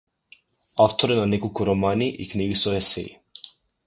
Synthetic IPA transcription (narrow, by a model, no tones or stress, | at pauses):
aft̪ɔɾɛnanɛkolˠkuɾɔmaniʔḭkniɡisɔɛsɛ̰ḭ